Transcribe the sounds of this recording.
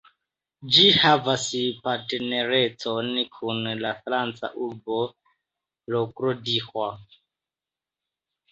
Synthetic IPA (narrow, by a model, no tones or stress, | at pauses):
d͡ʒihavaspateneɾet͡sonkʰunlafɾant͡sa̰ʔulbo | lokɾodixwa